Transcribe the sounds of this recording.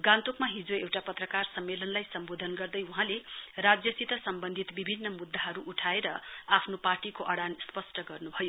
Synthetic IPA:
ɡãnt̪ukmaɦid͡zoewʈapʌt̪rʌkarsʌmːelʌnlajsʌmbod̪ʱʌnɡʌrd̪ʌjuɦãlerad͡zjʌsit̪ʌsʌmbʌnd̪ʱit̪bibʱinːʌmud̪ʱːaɦʌɾuʔːʈʰaeɾʌapʰnoparʈikoʔʌɽanspʌsʈʌɡʌrnubʱʌjo

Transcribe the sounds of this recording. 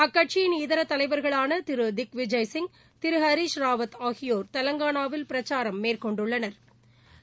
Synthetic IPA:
ɐkːɐʈ̚t͡ʃɪjɪnɪðɐɾɐt̪ːɐlɐɪʋɐɾɣɐɭaːnɐt̪ɪɾɯd̪ɪkʋɪd͡ʒɐjsɪŋ | t̪ɪɾɯɦɐɾiːʂɾaːʋɐt̪aːɣɪjoːɾt̪ɐlɐŋɡaːɳaːʋɪlpɪɾɐt͡ʃːaːɾɐmːeːrkɔɳɖɯɭːɐnɐɾ

